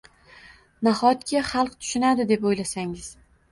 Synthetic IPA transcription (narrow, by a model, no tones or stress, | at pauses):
nahɒt̪kʲaχɑlˠqt̪ʰʊ̥ʃɪnad̪ɪd̪e̞pojlasaŋɪz̥